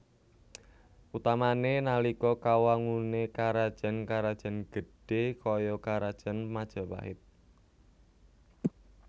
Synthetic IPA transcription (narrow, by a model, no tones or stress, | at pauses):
ʔut̪amanenalikɔkawaŋunekaɾad̥ʒ̥a̤nkaɾad̥ʒ̥a̤nɡ̥ə̤ɖ̥ekɔjɔkaɾad̥ʒ̥a̤nmad̥ʒ̥a̤wa̰ɦɪt̪̚